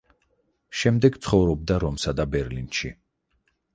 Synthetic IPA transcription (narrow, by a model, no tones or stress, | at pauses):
ʃɛmd̪ɛɡt̪sʰχɔvɾɔb̚d̪aɾɔmsad̪abɛɾlinʃḭ